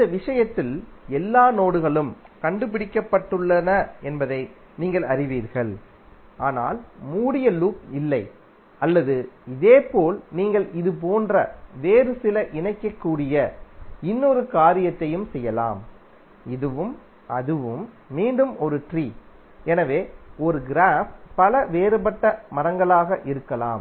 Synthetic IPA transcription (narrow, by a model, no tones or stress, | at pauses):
ɪnd̪ɐʋɪʂɐjɐt̪ːɪlɛlːaːnoːɽɯɣɐɭɯmkɐɳɖɯpɪɽɪkːɐpːɐʈːɯɭːɐnɐɛnbɐðɐɪ | niːŋɡɐɭɐɾɪʋiːɾɣɐɭ | ʔaːna̰ːlmuːɽɪjɐluːpɪlːɐɪ | ʔɐlːɐðɯɪðeːpoːlniːŋɡɐɭʔɪðɯp̬oːndrɐ̰ʋeːɾɯsɪlɐʔɪɳɐɪkːɐkːuːɽɪjɐɪnːɔɾɯkaːɾɪjɐt̪ːɐjɯmsɛjːɐla̰ːm | ɪðɯʋɯm | ʔɐðɯʋɯmː | iːɳɖɯmɔɾɯʈriː | ɛnɐʋeːɔɾɯɡɪɾaːfpɐlɐʋeːɾɯpɐʈːɐmɐɾɐŋɡɐɭaːɣɐʔɪɾɯkːɐla̰ːm